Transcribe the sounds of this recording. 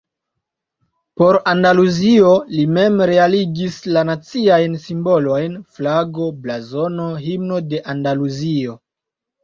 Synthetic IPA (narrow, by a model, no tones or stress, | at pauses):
po̞ɾandaluzio̞lime̞mɾe̞aliɡislanat͡siajnsimbo̞lo̞jnflaɡo̞blazo̞no̞ɦimno̞de̞ʔandaluzio̞